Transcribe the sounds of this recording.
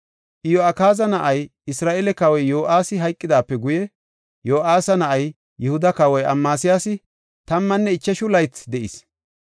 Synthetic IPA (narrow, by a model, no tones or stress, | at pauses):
ʔɪjɔɐkaːzɐnɐʔɐjɪsɾaːʔɛlɛkɐwɔjjo̞ːʔaːsɪɦɐjkʼːɪd̪aːpːɛɡʊjɛ | jo̞ːʔaːsɐnɐʔɐj | jɛhʊd̪ɐkɐwɔjʔɐmːaːsɪjaːsɪ | t̪ɐmːɐnːɛɪt͡ʃːɛʃʊlɐjt͡sd̪ɛʔis